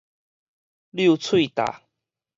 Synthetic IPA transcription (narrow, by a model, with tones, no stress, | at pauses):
lju˥˧t͡sʰwi˥˧˨t̪a̰˨˩